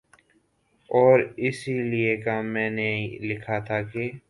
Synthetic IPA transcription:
ɔːɾɪsiliekamɛ̃ːnelɪkʰat̪ʰake

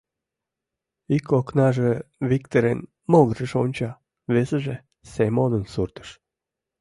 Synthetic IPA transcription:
ikoknɑʒevikt̪eɾen | molˠʒeʃonʲt͡ɕɑ | vesəʒe | semod̪ə̆nsurt̪ə̥ʃ

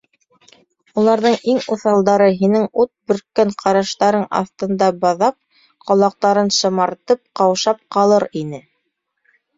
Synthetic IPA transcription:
ulˠɑɾðɤɴiŋuθɑlˠd̪ɑɾɤɦinɘŋut̪̚bɵ̆ɾkːæɴqʰɑɾɑʃt̪ɑɾɤɴɑ̰θt̪ɤ̆nd̪ɑbɑðɑp̚ | qɑlˠɑq̚t̪ɑɾɤnʃɤ̆mɑɾt̪ɤp̚qɑwʃɑp̚qɑlˠɤɾinɘ

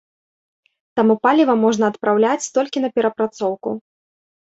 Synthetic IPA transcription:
t̪amupalʲivɐmɔʐnɐːt̪pɾawlʲat͡sʲt̪ɔlʲkʲin̪ɐpʲɛɾɐpɾat̪sɔwku

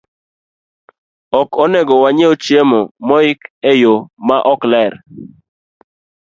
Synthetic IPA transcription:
ɔkɔnɛɡɔwaɲeot͡ʃjemomɔɪkɛjomaʔɔklɛɾ

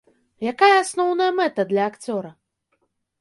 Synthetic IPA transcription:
jakajɐasnɔwnɐjɐmɛt̪ɐd̪lʲɐːkt͡sʲɔɾɐ

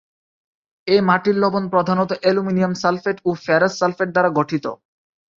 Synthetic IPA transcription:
emaʈillobonpɾod̪ʱanot̪oʔeluminiamsalfeʈofɛɾasːalfeʈ̚d̪aɾaɡoʈʰit̪o̰

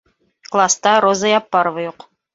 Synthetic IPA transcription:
klˠast̪ɑɾozajɑpːɑɾovajuq

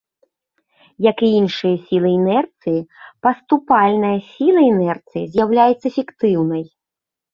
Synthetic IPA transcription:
jɐkiinʂɨjɐsʲilˠɨɛnɛrt̪sɨjipɐst̪upalʲnɐjɐsʲilˠɐɛnɛrt̪sɨjizʲjawlʲajɛt̪sːɐfʲɛkt̪ɨwnɐj

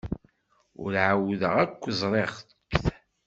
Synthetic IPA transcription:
ʊ̰ɾʕawðəʁækʷːzˤɾˤeʁθ | kːθ

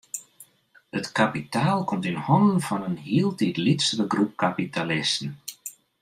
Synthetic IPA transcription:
ətkapitʰaːlˠkɔmtinhɔndən̩fɔnənhiəlˠtʰitlitsərəɡrup̚kapitalɪstn̩

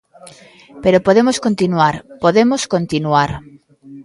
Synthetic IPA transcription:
peɾopoðemoskont̪inuaɾpoðemoskõnt̪inuaɾ

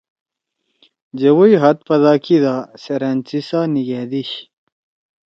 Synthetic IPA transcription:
d͡ʑewujɦɐt̪̚pɐd̪aːkid̪aːseɾent͡sisaːniɡeːd̪iɕ

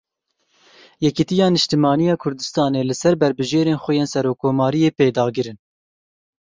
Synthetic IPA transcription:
jɛkit̪ijɑːnɨʃt̪ɨmɑːnijɑːkʰʊɾd̪ɨst̪ɑːneːlɨsɛɾbɛɾbɨʒeːɾeːnxʷɛjeːnsɛɾoːkʰːoːmɑːɾijeːpeːd̪ɑːɡɨɾɨn

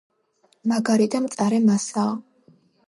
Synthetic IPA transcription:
maɡaɾid̪amt̪sʼaɾɛmasaː

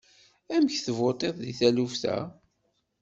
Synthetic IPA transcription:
æmçθəvot̪ˤeðˤðiθælufθæ̰

